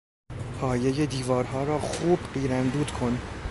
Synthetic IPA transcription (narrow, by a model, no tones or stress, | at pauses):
pʰɒːje̞jed̪iːvɒːɾɦɒːɾɒːχuːbɢiːɾænd̪uːd̪kʰo̞n